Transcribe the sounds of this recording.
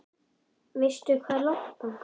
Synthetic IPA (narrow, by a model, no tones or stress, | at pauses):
vɪst̪ʏkʰvaːɾlaht̪a